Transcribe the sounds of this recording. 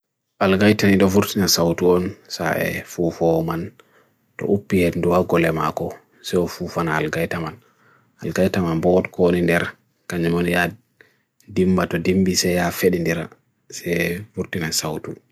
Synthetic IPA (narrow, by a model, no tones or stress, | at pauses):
ʔalɡajtaniɗɔfuɾtinasawtuɔnsa̰ʔɛ̰fufɔman | tɔ̰ʔupːihenduwaɡɔlɛma̰kɔ | sɛɔfufanaːlɡajtaman | alɡajtamanbɔɔtkonindɛɾ | kaɲamɔnja | dimbatɔdimbisɛjafeɗindiɾa̰ | sɛfuɾtinasawtu